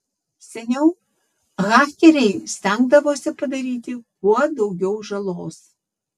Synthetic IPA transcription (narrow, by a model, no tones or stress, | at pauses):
sʲɛnʲɛʊ | ɣɑːxʲkʲɛɾʲɛɪsʲt̪ʲæŋɡd̪ɐʋoːsʲɪpɐd̪ɐɾʲiːt̪ʲɪkuɔd̪ɒʊɡʲɛʊʒɐlˠoːs